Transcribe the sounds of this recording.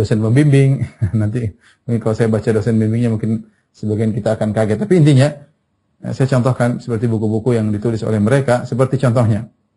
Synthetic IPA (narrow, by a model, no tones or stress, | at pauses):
osɛnməmbimbɪŋnant̪i | muŋkɪnkalasajabat͡ʃadosɛnbimbɪŋɲamuŋkɪn | səbaɡiankit̪aːkankaɡɛt̪ːapiːnt̪iɲa̰ | sajat͡ʃɔnt̪ɔhkansə̥pərt̪ibukubukujaŋdit̪ulɪso̰lɛhməɾekasəpərt̪it͡ʃɔnt̪ɔhɲa